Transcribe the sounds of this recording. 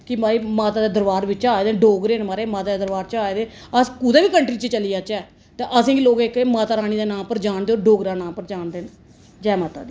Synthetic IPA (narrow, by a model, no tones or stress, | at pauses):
kɪmaːiːmaːt̪aːd̪eːd̪əɾʋaːɾʋɪt͡ʃaːeːd̪eːɖoːɡɾeːnmaːɾeːmaːt̪aːdeːd̪əɾʋaːɾt͡ʃaːeːd̪eː | əskuːd̪eːʋiːkəɳʈɾiːt͡ʃet͡ʃəlijaːt͡ʃɛː | t̪eːʔəsĩːɡiloːɡekeːmaːt̪aːɾaːɽ̃iːd̪eːnãːpəɾd͡ʒaːɳd̪eoːɖoːɡɾaːnãːpəɾd͡ʒaːnd̪eːn | d͡ʒɛːmaːt̪a̰ːd̪iː